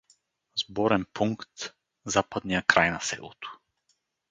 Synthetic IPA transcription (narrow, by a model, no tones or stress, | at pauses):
zbɔɾɛnpuŋkt̪ | zapad̪nijakɾajnasɛ̰lˠot̪o̥